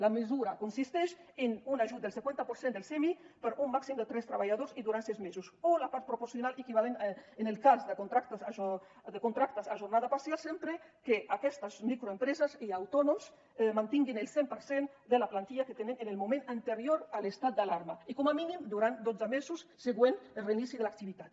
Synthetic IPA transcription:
lamezuɾakunsist̪ɛʃ | enunaʒut̪̚d̪elsekwent̪apoɾsend̪elsɛmipəɾumːaksimd̪et̪ɾɛst̪ɾaβaʎaðoziðuɾansɛzmezusolapaɾt̪̚pɾopoɾsjonalekiβalenenelkazd̪əkont̪ɾakt̪aa | d̪ekunt̪ɾak̚t̪asaʒurnað̞apasjalsempɾe | keʔakɛst̪azmikɾoempɾezaziawt̪ɔnoms | mant̪iŋɡinelˠsempəɾsen | d̪elaplant̪iʎaket̪enenenelmumẽnant̪eɾjoɾalest̪at̪̚d̪alaɾmaikomaminimd̪uɾant̪̚d̪ozamezusːeɣwenelreinisiðelak̚t̪iβit̪at̪

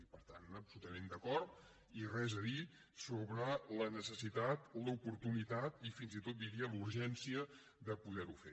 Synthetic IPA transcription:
pəɾt̪anəpsulut̪əmend̪əkɔrt̪̚ | irɛzəði | soβɾələnəsəsit̪at̪ləupuɾt̪unit̪at̪ifinzit̪ot̪̚d̪iɾiəluɾʒɛnsiə | ðəpuðɛɾufḛ

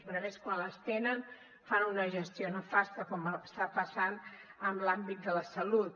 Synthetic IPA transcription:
βɾəβeskwanləst̪enən | fanunəʒəst̪ionəfast̪əkɔmast̪apəsanəmlambit̪̚d̪ələsəlut̪̚

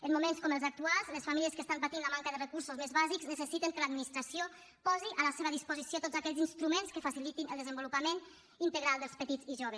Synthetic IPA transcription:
əmmːumenskɔməlˠzak̚t̪ualˠzləsfamiliəskəst̪ampət̪inləmaŋkəðərəkuɾsuzmezβazikznəsəsit̪əŋkələd̪minist̪ɾəsio | pɔziʔələseβəðispuzisiot̪odzakɛʎzinst̪ɾumenskəfasilit̪inəlˠd̪əzəmbulupəmen | int̪əɣɾalˠd̪əlˠspət̪id͡ziʒoβ̞əs

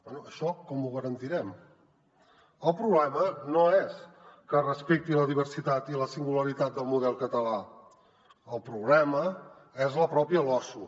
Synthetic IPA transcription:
ɛnuəʃɔkɔmuɣəɾənt̪iɾɛm | əlˠpɾuβlɛmənoɛskərəspek̚t̪iləðiβəɾsit̪at̪iləsiŋɡuləɾit̪at̪̚d̪əlˠmuðɛlˠkət̪əla | əlˠpɾuβlɛmə | ɛzləpɾɔpiəlɔsu

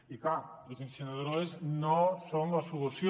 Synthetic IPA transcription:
ikalozensenaðɾoeznosoŋlasuβusj

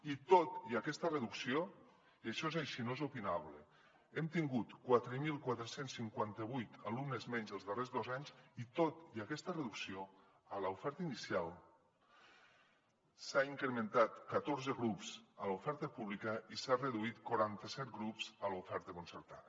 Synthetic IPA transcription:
it̪ot̪iəkɛst̪əreðuksio | iəʃɔezajʃinoezupinaβle | ɛmt̪iŋɡut̪kwat̪ɾəmilˠkwat̪ɾəsensːiŋkwant̪əβujt̪alumnəzmɛɲzðəlˠzðərezðozaɲzit̪ot̪iəkɛst̪əreðuksio | ələufɛɾt̪əinisialˠ | saiŋkɾemẽnt̪at̪kət̪oɾzəɣɾupz̥əlufɛɾt̪əpuβlikəisareðuit̪kwaɾant̪əsɛt̪̚ɡɾupz̥əlufɛɾt̪əkunsəɾt̪a

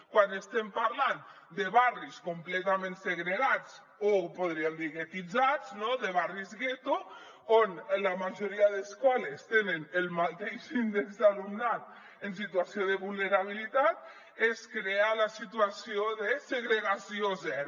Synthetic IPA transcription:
kwanest̪empaɾlan | d̪eβariskomplɛt̪amẽnseɣɾeɣad͡z | opoðɾiemd̪iɣet̪id͡zad͡znoðeβarizɣet̪u | onlamaʒoɾiaðeskɔlest̪enenelˠmat̪eʃind̪ekzalumnat̪ | ensit̪uasioðeβulˠneɾaβ̞ilit̪at̪̚ | eskɾealasit̪uasioðeseɣɾeɣasiozɛɾ

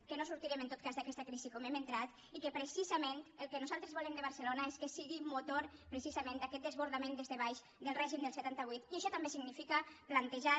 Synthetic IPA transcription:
kənosuɾt̪iɾɛmənt̪ot̪kazðakɛst̪akɾizikɔmɛmənt̪ɾat̪ | ikəpɾəsizament̪əlˠkənuzalˠt̪ɾəzβulɛmd̪əβ̞əɾsəlonaeskəsiɣimut̪oɾpɾəsizamend̪akɛt̪̚d̪əzβuɾðamẽnd̪ezðəβajʃ | d̪əlˠrɛʒimd̪əlˠsət̪ant̪aβ̞ujt̪iəʃɔt̪ambesiɡnifikəplant̪əʒa

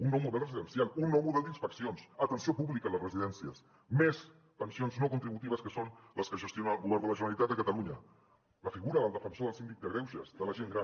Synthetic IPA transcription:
unːɔmuðɛlˠrəziðənsialˠunːɔmuðɛlˠd̪inspəksionsət̪ənsiopuβlikələsrəziðɛnsiəs | mes | p̪ənsionznokunt̪ɾiβut̪iβəskəsonləskəʒəst̪jonəalˠɣuβɛɾðələʒənəlit̪at̪əkət̪əluɲə | ləfiɣuɾəðəlˠd̪əfənsoðəlˠsind̪ik̚d̪əɣɾɛwʃə̰zðələʒeŋɡɾa

